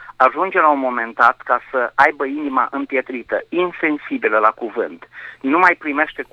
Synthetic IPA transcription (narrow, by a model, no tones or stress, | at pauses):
aʒund͡ʒe̞launmo̞me̞nd̪at̪kasəʔajbəinima̰ʔɨmpje̞t̪ɾit̪əinse̞nsibiləlakuvɨnt̪numajpɾime̞ʃt̪e̞k